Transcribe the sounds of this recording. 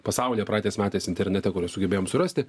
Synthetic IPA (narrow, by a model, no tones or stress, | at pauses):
pɐsɑˑʊlʲjɛpɾɑːt̪ʲeːsmʲæːt̪ʲeːsɪnʲt̪ʲɛɾʲnʲɛt̪ʲɛkʊɾʲoːsʊɡʲɛbeːjoːmsʊɾɐsʲt̪ʲɪ